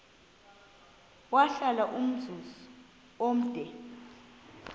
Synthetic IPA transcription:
waɬalaʔum̩d͡zʱuz | om̩d̥ʱɛ

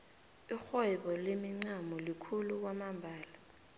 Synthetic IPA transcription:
ixɛɓɔlemiŋ͡ǀamɔlikʰuluk̬wamambʱaːla

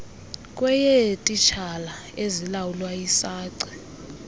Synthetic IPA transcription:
kʼwɛjɛtʼit͡ʃʰala | ezilawulwajisaːǀɛ

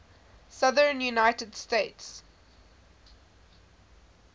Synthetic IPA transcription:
sʌðəɹnjunaɪtədsteɪts

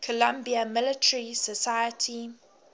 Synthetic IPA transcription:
kʰəlãmbiəmɪlɪtʰəɹisəsajətʰi

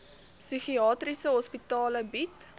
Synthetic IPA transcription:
syχiɑːtrisəɦɔspitɑːləbit

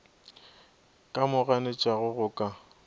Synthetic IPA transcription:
kʼamʊɣanɪt͡ʃʼaɣʊɣʊkʼa

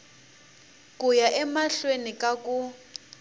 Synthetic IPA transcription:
kujaʔɛmaɬwenikʼakʼu

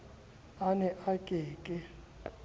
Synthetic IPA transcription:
anɛʔakʼɛːkʼɛ

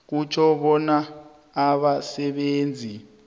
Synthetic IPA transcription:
k̬ut͡ʃʰɔɓɔnaː | ɓasɛɓeːnd͡zʱi

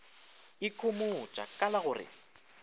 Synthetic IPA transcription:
ɪkʰʼomot͡ʃʼa̰kʼalaɣʊrɪ̰

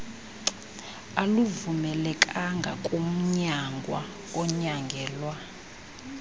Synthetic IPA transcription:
aluvumɛlɛkʼaŋɡʱa̰kʼom̩ɲaŋɡʱwa̰ | ɔɲaŋɡʱɛːlwa

